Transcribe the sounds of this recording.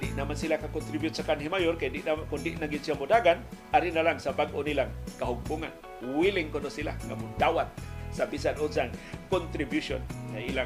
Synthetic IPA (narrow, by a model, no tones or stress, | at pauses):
dɪ̰ʔnamansilakakʊnt̪ɾibjʊt̪̚sakanɦimajorkajdɪʔnakʊndɪʔnaɡɪnsiamʊdaɡanaɾinalaŋsabaɡʔʊnilaŋkaɦʊɡ̚pʊŋan | wilɪŋkonosila̰ŋa̰mʊdawat̪̚sabisanʊnsaŋkɔnt̪ɾibjuso̰nŋaila